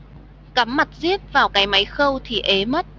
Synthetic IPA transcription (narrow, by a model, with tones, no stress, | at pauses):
ka˨˦mːa˨˩t̚zi˦˥ət̚vaː˨˩wkaː˨˦jma˨˦jxə˧wt̪ʰi˨˩ʔe˨˦mə˦˥t̚